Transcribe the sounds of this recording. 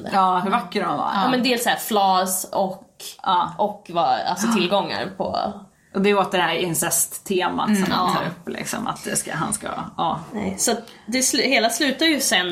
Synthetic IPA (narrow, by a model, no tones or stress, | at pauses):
d̪əɑːhɵɾvakːəɾanvɑ̰ːɾɑːmɛnd̪ɛɛlsæːɾflɑːsɔkːɑːʔɔkːvɑa̰lsɔt̪ʰɪlɡɔŋːa̰ɾpʰɔ̰ | ʔɔd̪ɛoːt̪d̪ɛɖɛhæɾɪnsɛst̪ʰːeːma̰t̪sɔmhanʰɑ̰ːɾɵpːlɪ̰ksɔ̰ma̰t̪̚d̪ɛskaɦa̰nskaɑːnɛ̰jsɔat̪ | d̪ɛslheːlaslʉ̟ːt̪adjɵsɛnː